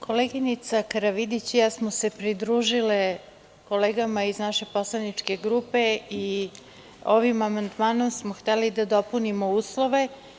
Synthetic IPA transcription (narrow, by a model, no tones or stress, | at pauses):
kʰo̞leɡinit̪sakaɾaʋid̪it͡ɕjasmose̞pɾid̪ɾuːʒile | ko̞leːɡamaiznaʃe̞po̞slˠanit͡ʂke̞ɡɾupe̞i | o̞ʋimamand̪maːno̞msmoxt̪elid̪ad̪o̞punimo̞uːslˠo̞ʋe̞